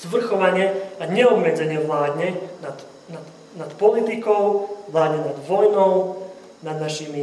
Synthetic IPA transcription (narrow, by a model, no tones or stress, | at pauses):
zʋr̩xɔʋaɲɪɛaɲɛɔbmɛd͡zɛɲɪɛʋlaːd̪ɲɛnat̪ | nat̪ | nat̪pɔlit̪ikɔʊʋlaːd̪ɲɛnad̪ʋɔjnɔʊ | nad̪naʃiːmi